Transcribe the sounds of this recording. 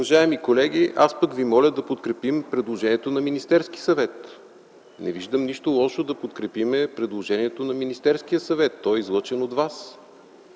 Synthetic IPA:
ʊvɐʒaɛmikolɛɡ̟iʔaspəkvimɔlʲəd̪ɐpot̪kɾɛpimpɾɛd̪lˠoʒɛniɛt̪onɐminist̪ɛɾsk̟i̥sɐvɛt̪ | nɛ̰viʒd̪əmniʃt̪olˠɔʃod̪ɐpot̪kɾɛpimɛpɾɛd̪lˠoʒɛniɛt̪onɐminist̪ɛɾskijəsɐvɛt̪ːɔjizlˠɤt͡ʃɛnod̪vas

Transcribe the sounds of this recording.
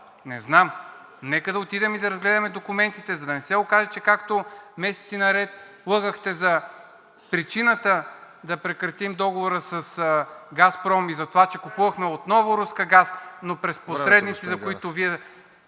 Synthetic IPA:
nɛznam | nɛkəd̪ɐot̪id̪ɛmid̪ɐɾɐzɡlɛd̪ɐmɛd̪okʊmɛnt̪it̪ɛzɐd̪ɐnɛsɛokaʒɛt͡ʃɛkakt̪omɛsɛ̥t̪sinɐɾɛt̪̚ | lˠɤɡəxt̪ɛzɐ | pɾit͡ʃinət̪ə | d̪ɐpɾɛkɾɐt̪imd̪ɔɡovoɾəsɐsɡaspɾɔmizɐt̪ovat͡ʃɛkupuvɐxmɛot̪nɔvʊɾuskəɡasnopɾɛsposɾɛd̪nit̪sizɐkoit̪oviɛ

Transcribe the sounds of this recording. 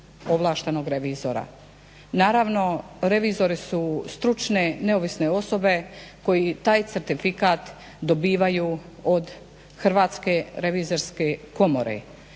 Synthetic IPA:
o̞ʋlˠaːʃt̪eno̞ɡɾeʋizoɾa̰ | naːɾaʋno̞ | ɾe̞ʋizo̞ɾisust̪ɾut͡ʃne̞ne̞oʋisne̞o̞so̞be̞ko̞jit̪aːjt̪seɾt̪ifikaːt̪ | d̪o̞biːʋajuod̪ | xɾ̩ʋaːt̪ske̞ɾeʋiːzo̞ɾskeko̞mo̞̰ɾḛ

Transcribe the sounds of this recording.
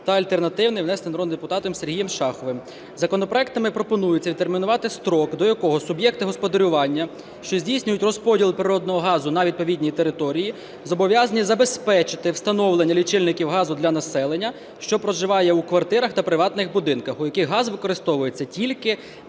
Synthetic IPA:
t̪ɐɐlʲt̪ernɐt̪ɪwnɪjwnɛsnɪjnɾɔd̪d̪epʊt̪ɑt̪ɔmserɦijɛmʃɑxɔʋɪm | zɐkɔnɔpɾɔɛk̚t̪ɐmɪpɾɔpɔnujʊt͡sʲɐʋʲid̪t̪ermʲinʊʋɑt̪ɪst̪ɾɔkd̪ɔjɐkɔɦɔsʊbjɛk̚t̪ɪɦɔspɔd̪ɐɾʲʊʋɑnʲːɐ | ʃt͡ʃɔzʲdʲijsʲnʲʊjʊtʲrɔspɔdʲilˠpɾɪɾɔd̪nɔɦɔɦɑzʊnɐʋʲid̪pɔʋʲidʲnʲijit̪eɾɪt̪ɔɾʲiji | zɔbɔʋʲjazɐnʲizɐbe̞spɛt͡ʃɪt̪ɪwst̪ɐnɔwlˠenʲːɐlʲit͡ʃɪlʲnɪkʲiwɦɑzʊd̪lʲɐnɐsɛlˠenʲːɐ | ʃt͡ʃɔpɾɔʒɪʋɑjɛukʋɐrt̪ɪɾɐxt̪ɐpɾɪʋɑt̪nɪxbʊd̪ɪnkɐxʊjɐkɪɣɦɑzʋɪkɔɾɪst̪ɔʋʊjet͡sʲːɐtʲilʲkɪ

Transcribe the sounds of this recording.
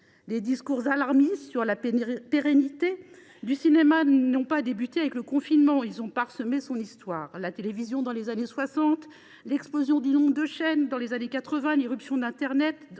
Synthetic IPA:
led̪iskuʁzalaʁmisyʁlapeʁenit̪e | d̪ysinemanɔ̃pad̪ebyt̪eavɛkləkɔ̃finmɑ̃ilzɔ̃paʁsəmesɔ̃nist̪waːʁlat̪elevizjɔ̃d̪ɑ̃lezaneswasɑ̃t̪ | lɛksplozjɔ̃d̪ilɔ̃d̪əʃɛnd̪ɑ̃lezanekat̪χəvɛ̃liʁypsjɔ̃d̪ɛ̃t̪ɛʁnɛt̪

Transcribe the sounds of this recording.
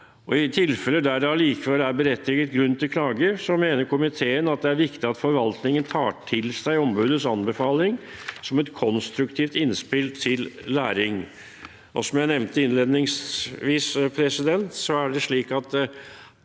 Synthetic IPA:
ɔɪt̪ʰɪlfɛlːəd̪æːɖ̪ɑliːkəʋɛlæɾbəɾɛt̪ʰːɪɡət̪̚ɡɾʉnːt̪ɪlkʰlɑːɡəsɔmeːnəɾkʰʊmɪt̪ʰeːənɑt̪̚d̪ɛæɾʋɪkt̪ɪɑt̪fɔɾʋɑlt̪nɪŋənt̪ʰɑːʈʰɪlsæɪɔmbʉːd̪əsɑnbəfɑːlɪŋsɔmɛt̪kʰɔnst̪ɾʉkt̪ʰiːft̪ɪnspɪlt̪ʰɪlːæːɾɪŋ | ʔɔsɔmjæɪnɛʋnt̪əɪnleːd̪nɪŋsʋiːspʰɾɛsɪd̪ɛnt̪sɔæɖɛʂɭiːkɑt̪

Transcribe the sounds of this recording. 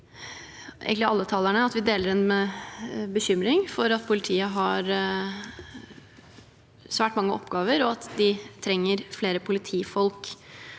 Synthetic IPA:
ʔḛɡəɪɑlːət̪ʰɑːlæɳəɑt̪ʋɪd̪eːləɾɛnmɛ | bəçʏmɾɪŋfɔɾɑt̪pʰʊlɪt̪ʰiːəɦɑɾ | sʋæːʈmɑŋːəʔɔ̰pːɡɑːʋəɾɔɑt̪d̪ɪt̪ʰɾɛŋːəɾfleːɾəpʰʊlɪt̪ʰiːfɔlk

